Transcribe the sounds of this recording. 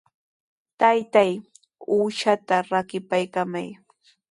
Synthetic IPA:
t̪ajt̪aj | uːʃat̪aɾakɪpajkamaj

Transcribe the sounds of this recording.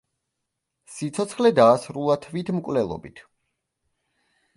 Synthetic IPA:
sit̪sʰɔt̪sʰχlɛd̪aːsɾulˠat̪ʰvit̪ʰmkʼvlɛlˠɔ̰bit̪ʰ

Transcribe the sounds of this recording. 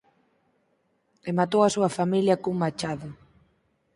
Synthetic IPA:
emat̪owɐsuɐfamiljɐkuŋmat͡ʃaðʊ

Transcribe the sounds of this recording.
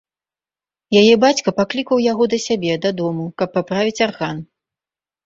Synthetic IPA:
jajɛbat͡sʲkɐpaklʲikɐwjaɣɔd̪ɐsʲabʲɛd̪ɐd̪ɔmukɐpːapɾavʲit͡sʲarɣan

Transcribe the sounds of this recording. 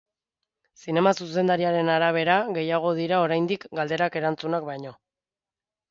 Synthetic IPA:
sine̞masuse̞nd̪aɾiaɾe̞naɾaβ̞e̞ɾaɣe̞jaɣ̞o̞ðiɾao̞ɾajnd̪ikɡald̪e̞ɾake̞ɾant͡sunakbajɲo̞

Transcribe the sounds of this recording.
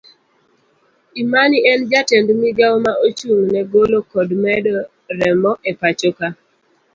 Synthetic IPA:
imaniɛnd͡ʒatɛndmiɡamaʔot͡ʃuŋnɛɡolokɔdmɛdɔ | ɾɛmɔʔɛpat͡ʃoka

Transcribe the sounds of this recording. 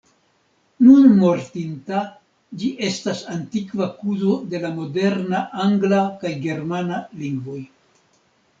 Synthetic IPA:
nunmo̞ɾtinta | d͡ʒiʔe̞stasantikvakuzo̞de̞lamo̞de̞ɾnaʔaŋɡlakajɡe̞ɾmanaliŋɡvo̞j

